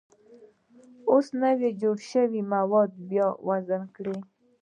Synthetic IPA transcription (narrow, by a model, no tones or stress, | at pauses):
osnəwed͡ʒoɽʃəwimawɔd̪̚bjɔwazənkɽe